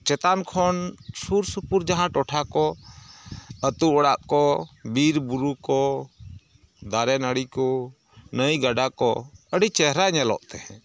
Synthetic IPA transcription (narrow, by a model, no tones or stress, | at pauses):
t͡ʃɛt̪ankʰɔnsuɾsupuɾd͡ʒaɦãʈɔʈʰakɔ | ət̪uɔɽaʔkɔbiɾbuɾukɔ | d̪aɾɛnəɽikɔ | nəjɡaɖakɔəɽit͡ʃɛɦɾaɲɛlɔ̰ʔt̪ɛhɛ̰̃